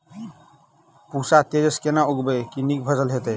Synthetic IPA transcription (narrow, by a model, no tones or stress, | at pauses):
pusat̪ed͡ʒəskenauɡbekinikbʱəsəlɦet̪ə